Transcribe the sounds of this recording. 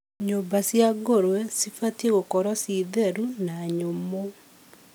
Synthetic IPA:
ɲobasjaɡoɾwɛsifateɣokɔɾwɔsiðeɾunaɲomo

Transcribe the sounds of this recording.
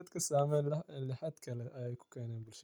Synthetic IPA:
ɐd̪kʰɐsaːmɛːnlɪħaːd̪kʰɐlɛʔɐjɛjkʰʊ̥kʰɛːnɛːnbɪlʃɐ

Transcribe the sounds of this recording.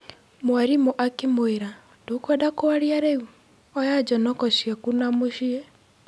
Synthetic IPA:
mwaɾimoʔakimoeɾa | dokwɛdakoaɾiaɾɛu | ɔjad͡ʒɔnɔkɔʃjakunamoʃiɛ

